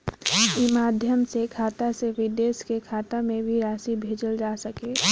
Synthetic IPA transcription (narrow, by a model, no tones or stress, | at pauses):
imaːd̪ʱjəmsekʰaːt̪aseʋɪd̪eːskekʰaːt̪amẽbʱiɾaːsibʱeːd͡ʒəld͡ʒaːsəkeː